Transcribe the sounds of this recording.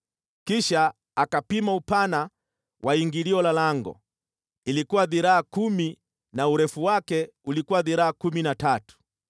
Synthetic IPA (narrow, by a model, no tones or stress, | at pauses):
kiʃaː | kapimaupana | wʔaiŋɡiliɔlalaŋɡɔ̰ | ilikuwaðiɾaakumi | nauɾɛfuwakɛ | ulikuwaðiɾaakuminatatu̥